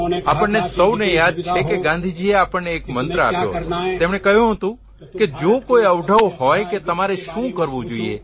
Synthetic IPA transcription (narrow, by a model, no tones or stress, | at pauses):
apəɳːesəwnejad̪̚t͡ʃʰekeɡãnd̪ʱid͡ʒieapəɳneːkmənt̪ɾəa̰pjo̰t̪emɳekəɦjũɦət̪ũ | ked͡ʒokojəʋɖʱəʋhɔjket̪əmaɾeʃũkəɾʋũd͡ʒoiḛ